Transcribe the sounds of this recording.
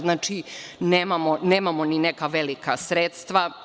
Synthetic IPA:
znaːt͡ʃineːmamoneːmamoninekaʋelikasɾet̪st̪ʋa

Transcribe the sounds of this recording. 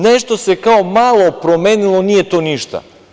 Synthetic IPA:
nɛʃt̪osɛkaomalˠopɾomɛnilˠoniɛt̪oniʃt̪a̰

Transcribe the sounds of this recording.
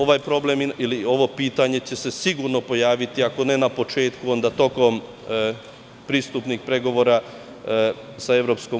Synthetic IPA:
oʋaːjpɾo̞ble̞miilio̞ʋo̞piːt̪aɲe̞t͡ɕe̞se̞siɡuɾno̞po̞jaːʋit̪iako̞ne̞napo̞t͡ʃe̞ːt̪kuo̞nd̪at̪o̞ko̞m | pɾiːst̪upnixpɾe̞ɡo̞ʋo̞ːɾa | sae̞ʋɾo̞ːpsko̞

